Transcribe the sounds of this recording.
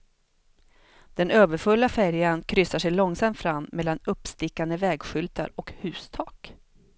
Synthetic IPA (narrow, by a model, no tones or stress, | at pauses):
d̪̥ɛnøːvəɾfɵlːafæɾjankʰɾʏsaʂɛjlɔŋsamt̪fɾamːmɛlːanɵpːst̪ɪkːand̪əvɛːɡɧʏlt̪ʰa̰ɾɔkhʉ̟ːst̪ʰɑːk